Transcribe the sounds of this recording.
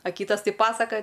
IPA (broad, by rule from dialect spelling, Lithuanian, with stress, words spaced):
ɐ ˈkʲiːtɐs ˈtɐɪ ˈpɑːsɐkɐjɛ